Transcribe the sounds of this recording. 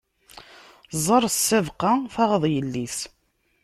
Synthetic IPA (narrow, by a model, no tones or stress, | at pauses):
zˤəɾˤsːævqɑθɑʁəðˤjəlːis